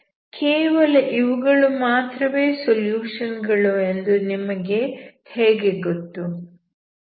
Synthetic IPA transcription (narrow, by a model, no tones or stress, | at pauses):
kʰeːʋɐlɐʔiʋuɡɐɭumaːt̪ɾɐʋeːsoljuːʂɐnɡɐɭue̞nd̪unimɐɡe̞ | heːɡeɡot̪ːu